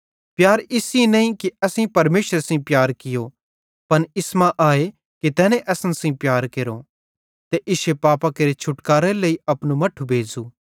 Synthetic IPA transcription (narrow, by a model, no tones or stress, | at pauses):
pjaːɾɪsinɐ̃ĩkiɐsĩpɐɾmeːʃəɾsɐ̃pjaːɾkɪjo | pɐnɪsmãʔaːe | kit̪ɛːnẽʔɛsənsɐ̃ĩpjaːɾkeːɾo | t̪eʔɪʃepaːpakeɾet͡ʃʰʊʈkaːɾeleiɐpnumɐʈʰubʱeːd͡zuː